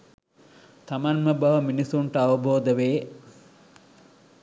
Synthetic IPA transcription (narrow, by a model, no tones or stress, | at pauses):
t̪ɐmɐnmɐbɐʋɐminisuɳʈɐaʋɐboːd̪ɐʋeː